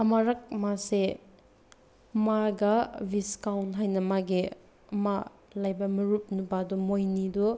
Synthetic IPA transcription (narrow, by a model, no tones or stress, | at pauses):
ɐmaɾɐk̚mase | maɡɐbiskawntɦajnɐmaɡi | ɐma | lajbɐmɐɾup̚nubadɔmojnidu